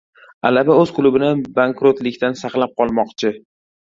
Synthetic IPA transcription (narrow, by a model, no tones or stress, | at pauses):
a̰labaɵz̥qʰʊlˠʊbɪnɪbaŋkɾot̪lɪkʲt̪ansɑqlˠap̚qʰɒlˠmɒqt͡ʃʰɪ